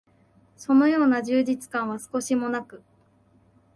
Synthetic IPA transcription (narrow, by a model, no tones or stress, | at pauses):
so̞no̞jo̞ːnaʑɨːd͡ʑit͡sɨ̥kãɰ̃β̞asɨ̥ko̞ɕimo̞nakɯ̟